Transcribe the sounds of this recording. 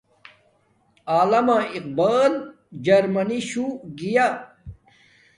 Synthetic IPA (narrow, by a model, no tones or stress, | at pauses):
aːlɐmaiq̚baːl | d͡ʑɐɾmɐniɕuɡija